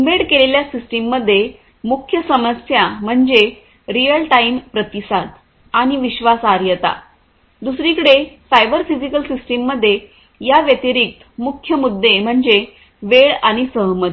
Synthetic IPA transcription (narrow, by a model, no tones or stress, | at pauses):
umbeɽkeleljasisʈimːəd̪ʱːje | mukʰjəsəməsjam̤əɳd͡ʑe | ɾijəlʈaimpɾət̪isad̪ | aɽ̃iʋiɕʋasaɾjət̪a̰ | d̪usɾikəɽesajbəɾfid͡ʑikəlsisʈimːəd̪ʱːje | jaʋjət̪iɾik̚t̪mukʰjəmud̪ʱːem̤əɳd͡ʑe | ʋeɭaɽ̃isəɦmət̪